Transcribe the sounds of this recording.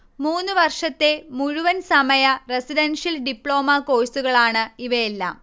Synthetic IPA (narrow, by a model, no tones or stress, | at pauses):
muːnːuʋɐrʂɐt̪ːe̞muɻuʋɐnsɐmɐjɐresidɐnʂjɐlɖipːɭo̞ːmɐko̞ːjsuɣɐɭaːɳɨiʋɐjelːa̰ːm